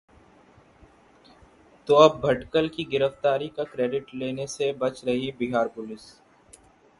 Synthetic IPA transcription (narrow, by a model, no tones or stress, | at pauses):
t̪oɐb̚bʱɐʈkəlkiɡɪɾəft̪aːɾikakɾeːɖɪʈleːnesebɐt͡ʃɾɐɦibiɦaːɾpʊlɪs